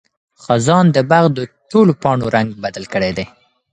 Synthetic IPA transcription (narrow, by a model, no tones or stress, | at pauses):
xazɑnd̪əbaɣd̪əʈolopɑɳoɾaŋɡ̚bad̪alkəɽed̪e